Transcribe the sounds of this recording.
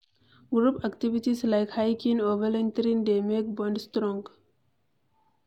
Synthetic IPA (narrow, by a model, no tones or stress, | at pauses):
ɡɾuːpækʈiʋiʈislaɪkhaɪkĩnoːʋəlẽnt̪ɾĩnd̪eːmeːk̚bɔ̃ɳɖsʈɾɔ̃ŋɡ